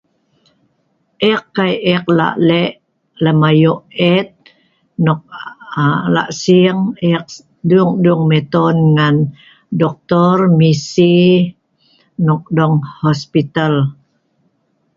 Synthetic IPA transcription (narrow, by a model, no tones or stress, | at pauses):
ʔɛkːajɛk̚la̰ʔlɛʔ | ləmajoʔɛt̪̚ | nɔk̚ | la̰ʔsiŋɛk̚ | duŋduŋmɛt̪ɔnŋan | dɔk̚t̪ɔrmisi | nɔk̚dɔŋhɔspit̪al